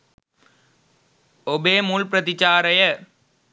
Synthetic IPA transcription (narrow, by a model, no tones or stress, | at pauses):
ɔbeːmuːlpɾɐt̪ɪt͡ʃaːɾɐjɐ